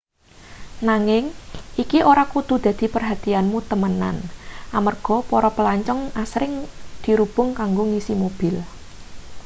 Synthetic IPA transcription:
naŋɪŋʔikiʔoɾakud̪̥ṳd̪̥ä̤d̪̥i̤pərɦat̪ianmut̪əməna̰nʔamərɡ̥ɔ̤poɾɔpəlaɲt͡ʃɔŋasɾɪŋd̪̥i̤ɾub̥ʊ̤ŋkaŋɡoŋisimob̥ɪl

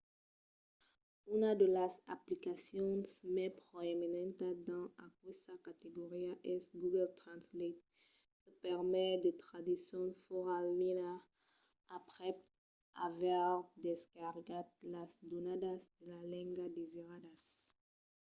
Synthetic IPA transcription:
ynad̪elasaplikasjɔ̃nsmɛpʁoeminɛ̃nt̪ad̪ɑ̃akwesakat̪eɡoʁiaʔɛsɡuɡɛlt̪ʁãnslet̪̚ | kəpɛʁmɛd̪et̪ʁad̪isjɔ̃nfoʁalmina | apʁɛ | a̰vaʁd̪eskaʁɡat̪̚lasd̪onad̪asd̪̥elalɛ̃ŋɡad̪eziʁad̪as

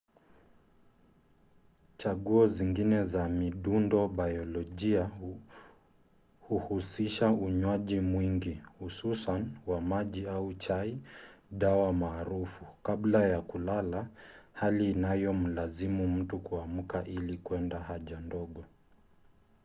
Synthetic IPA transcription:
t͡ʃaɠuɔziŋɡinɛzamiɗundɔɓajɔlɔʄia | huhusiʃauɲwaʄimwiŋɡihususanwamaʄiaut͡ʃaiɗawamaːɾufukablajakulalahaliːnajɔm̩lazimum̩tukuam̩kaʔilikwɛndahaʄandɔɠɔ

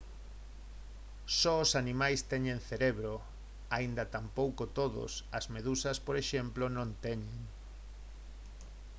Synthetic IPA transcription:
sɔosanĩmajst̪ɛɲẽnθeɾeβɾo | aind̪ɐt̪ampowkot̪oðo̰sɐzmeðusɐspoɾeʃemplonõnt̪eɲeŋ

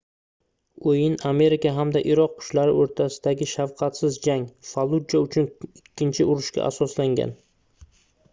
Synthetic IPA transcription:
ojɪname̞ɾɪkaɦamd̪aʔɪɾɒq̚ːʰʊ̥ʃlaɾɪoɾt̪ʰasɪ̥d̪aɡʲɪʃawqʰɑt̪sɪzd͡ʒaŋfalˠud͡ʒaʊt͡ʃʰʊnɪkʲːɪnt͡ʃʰɪʊɾʊʃkʲa̰ʔa̰sɒslaŋɡʲa̰n

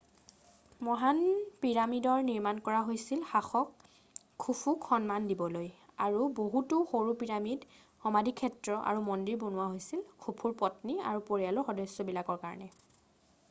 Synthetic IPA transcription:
mɔɦanpiɹamidɔɹniɹmankɔɹaɦojsilxaxɔkʰː | upʰukʰxɔnmandibɔlojaɹuboɦutuxoɹupiɹamid | xɔmadʱikʰɛtɹɔʔa̰ɹumɔndiɹbonʊwaɦojsilkʰupʰuɹpɔtnia̰ɹupoɹijalɔxɔdɔjsjɔbilakɔɹkaɹɔ̰nɛ

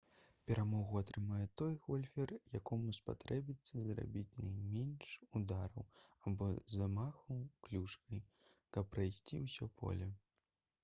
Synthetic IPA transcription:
pʲɛɾʔamɔɣuat̪ɾɨmajɛt̪ɔjɣɔlʲfʲɛrjakɔmuspa̰t̪ɾɛbʲit̪sːɐzɾa̰bʲit͡sʲnajmʲɛnʂud̪aɾɐwabɔzamaxɐwklʲuʂkɐj | kɐpːɾajsʲt͡sʲiwsʲɔpʰɔ̰lʲɛ

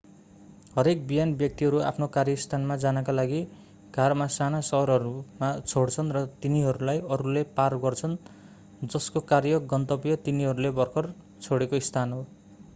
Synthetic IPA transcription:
ɦʌɾek̚bijanbjʌk̚t̪iɦʌɾua̰pʰnokarjʌist̪ʰanmad͡zanʌkalaɡi | ɡ̥ʱarmasanasʌɦɾʌɾumat͡sʰoɽt͡sʰʌnrʌt̪iniɦʌɾulajʌɾuleparɡʌrt͡sʰʌn | d͡zʌskokarjʌɡʌnt̪ʌpjʌt̪iniɦʌɾulebʌrkʰʌr | t͡sʰoɽekoist̪ʰanɦo

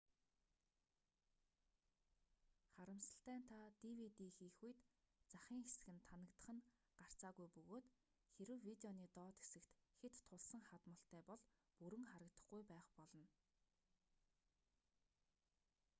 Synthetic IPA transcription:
χaɾə̆msə̆ɬt̪æːnt̪ʰat̪iwit̪iːxiːxujt̪t͡saχʲiːŋxesɘ̆ɣɘ̆nt̪ʰːanə̆kt̪ə̆χə̆n | ɢ̥ar̥t͡saːɣujpɵɣoːt̪ | xeɾɘ̆wwit̪eɔniːt̪ɔːt̪xe̥sɘ̆kt̪xet̪ʰːʊɮsə̆ŋχat̪mə̆ɬt̪æːpɔɮpuɾɘ̆ŋχaɾə̆kt̪ə̆χɡujpæːχpɔɮɞ̆n

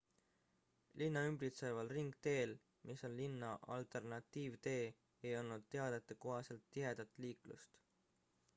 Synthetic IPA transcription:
linːɑymbɾit̪sevɑlriŋɡ̥̚t̪e̞ːl | mʔiso̞nlinːɑʔɑlt̪e̞rnɑt̪ːiːvt̪e̞ː | ejo̞lnud̪̥̚t̪e̞ɑd̪̥et̪ːˑeko̞ɦɑse̞lt̪ːiɦe̞d̪̥ɑt̪ːˑliːklṵst̪

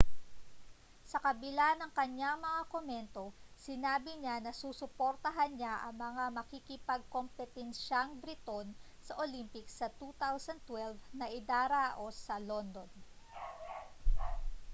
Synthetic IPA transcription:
sɐkɐbɪlanɐŋkɐɲaŋmɐŋakomɛnt̪o̞sɪnaːbɪɲanɐsuːsʊpoɾt̪ɐɦanɲaʔɐŋmɐŋamɐkikɪpɐɡ̚ko̞mpɛt̪ɛnʃaŋbɾɪt̪o̞n | sɐʔolimpɪksɐt̪ut̪awsɐn̚t̪wɛlvnɐʔɪd̪aːɾaːʔo̞sɐlond̪on

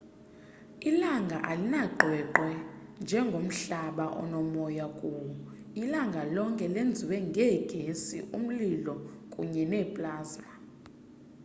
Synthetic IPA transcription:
ilaŋɡʱaʔalinaɡ͡ǃʱɛǃwɛnd͡ʒʱɛŋɡʱom̩ɬaɓaʔɔ̰nɔmɔjakʼuːwɔ | ilaŋɡʱalɔŋkʼɛlend͡zʱiwɛŋɡʱɛɡ̥ʱesḭʔṵm̩lilɔkʼṵɲɛnɛpʼlaːza

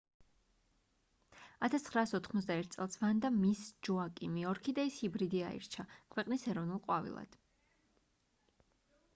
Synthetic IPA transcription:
at̪ʰast̪ʰχɾaːsɔt̪ʰχmɔt̪d̪aɛɾt̪̚ʰt̪sʼɛlˠsvand̪amisd͡ʒuakʼimiɔɾkʰid̪aishibɾid̪iaḭɾt͡ʃʰakʰwɛqʼnisɛɾɔvnulˠqʼwa̰vḭlˠa̰d̪̥

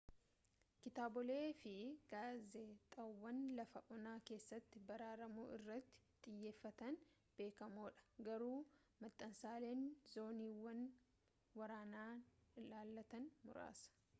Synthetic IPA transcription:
kɪt̪aːbɔle̞ːfɪɡaːzet̪ʼɐwːɐnlɐfɐʔɔnaːke̞ːsːɐt̪ːɪbɐɾaːɾɐmuːʔɪrːɐt̪ːɪ̥t̪ʼɪjːe̞ːfːɐt̪ɐn | b̥e̞ːkɐmoːᶑɐ̥ɡɐɾuː | mɐt̪ʼːɐnsaːle̞ːnzo̞ːniːwɐn | wɐɾaːnaːlaːlːɐt̪ɐnmʊ̰ɾa̰ːsɐ̥

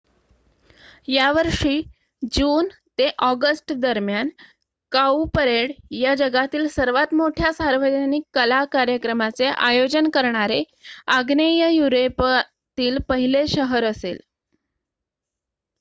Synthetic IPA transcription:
jaʋəɾʂiː | d͡ʑuːnt̪eʔɔɡəsʈd̪əɾmjan | kaupəɾeɽjad͡ʑəɡat̪iːlsəɾʋat̪moʈʰjasaɾʋəd͡ʑənikkːəlakaɾjəkɾəmat͡seʔa̰jod͡ʑənkəɾɳaɾe | aɡnejəjuɾep | t̪iːlpəɦileɕəɦəɾəsḛl

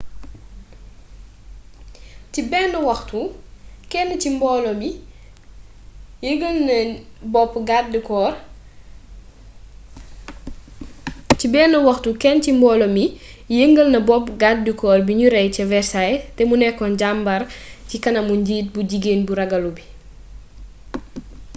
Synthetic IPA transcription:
cibɛnːɐwɐxtukɛnːɐcimbɔːlɔmi | jəŋɡəlnɐbɔpːɡat̚dikɔːr | cibɛːnːɐwɐxtukɛncimbɔːlɔmi | jəŋɡəlnɐbɔpːɡat̚dikɔːrbiɲuɾɛjcɐvɛɾsajtɛmunɛkːɔnɟambɐrcikɐnɐmuɲɟiːt̚buɟiɡeːnbuɾɐɡɐlubi

